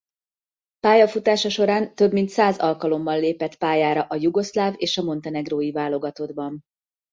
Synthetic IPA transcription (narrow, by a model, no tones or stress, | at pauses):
paːjɒfut̪aːʃɒʃo̞ɾaːnt̪ø̞bmint̪saːzɒlkɒlo̞mbɒnleːpɛt̪paːjaːɾɒʔɒjuɡo̞slaːveːʃɒmo̞nt̪ɛnɛɡroːjivaːlo̞ɡɒt̪o̞d̪bɒm